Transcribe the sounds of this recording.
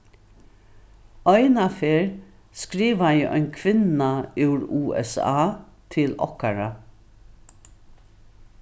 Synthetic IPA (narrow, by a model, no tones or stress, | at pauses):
œʏnɑfeːɹ | skɾiːʋajæʔœ̰ɪnkʰʋɪnɑʉːɹuːʔɛ̰sɑ̰ːt̪ʰɪlɔ̰kaɹɑ